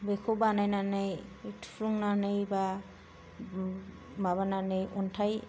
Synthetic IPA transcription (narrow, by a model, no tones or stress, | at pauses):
bekʰobanajnanɯjtʰɾuŋnanɯjba | maβananɯjʔɔntʰaj